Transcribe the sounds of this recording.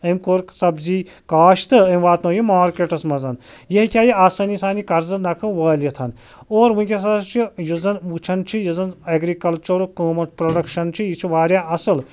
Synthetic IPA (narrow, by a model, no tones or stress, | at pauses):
ɐmkoːɾksɐbzi | kaːʃt̪ʰɨɐmʋaːt̪nɐːjimaːɾkeʈɐsmɐzɐnjɐɦikʲaːjiaːsɐnisaːnikɐɾzɨnɐkʰɨʋəːljit̪ʰɐn | oːɾʋũnkʲes̬ɐst͡ʃʰijuzɐnʋut͡ʃʰɐnt͡ʃʰijɐzɐnɐɡɾikɐlt͡ʃuɾkoːmɐʈpɾoɖɐkʃɐnt͡ʃʰijit͡ʃʰiʋaːɾʲjaɐsɨl